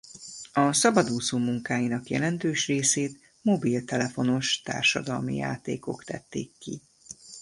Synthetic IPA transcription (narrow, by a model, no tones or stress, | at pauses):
ɒsɒbɒd̪uːsoːmuŋkaːjinɒkjɛ̰lɛnt̪øːʃreːseːt̪ | mobilt̪ɛlɛfo̞no̞ʃt̪a̰ːrʃɒ̰d̪ɒlmḭja̰ːt̪ḛːko̞̰kt̪ɛ̰t̪ːḛːkːi